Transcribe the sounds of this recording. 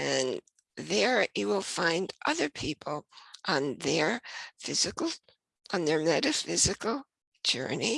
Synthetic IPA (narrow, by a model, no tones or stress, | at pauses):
ɨ̃n | ðə˞jɨwɪlˠfãɪ̃ndʔʌðə˞pʰipʰl̩ˠʔə̃nðə˞fɪzɨkl̩ˠ | ʔə̃nðə˞mɛɾɨfɪzɨkl̩̥ˠ | d͡ʒɜ̰˞ni